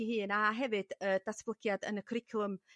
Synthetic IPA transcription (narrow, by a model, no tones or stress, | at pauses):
ihɨːnaɦɛvɨd̥əd̥asb̥lˠəɡ̥jadə̰nəkʰrɪkʰlˠəm